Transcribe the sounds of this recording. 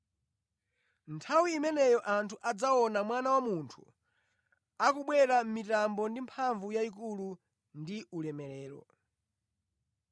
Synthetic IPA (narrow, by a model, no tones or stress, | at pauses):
ntʰawiːmɛnɛjɔʔantʰuʔad͡zaɔnamwanawamuntʰṵ | akuɓwɛɾam̩mitambɔndimpʰaɱvujaik̬ulu | ndiʔulɛmɛlɛːɾɔ̰